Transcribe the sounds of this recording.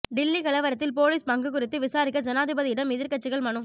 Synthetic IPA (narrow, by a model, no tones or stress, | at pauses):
ɖɪlːikɐɭɐʋɐɾɐt̪ːɪlpoːliːspɐŋɡɯkʊɾɪt̪ːɯʋɪsaːɾɪkːɐd͡ʒɐnaːðɯbɐðɪɪɽɐmɪðɪɾkɐt͡ʃːɪɣɐɭmɐɳɯm